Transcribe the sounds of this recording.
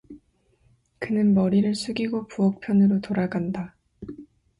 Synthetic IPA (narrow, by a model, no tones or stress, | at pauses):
kɯnɯnmʌɾiɾɯɭsʰuɡiɡopuʌk̚pʰjʌnɯɾotoɾaɡanda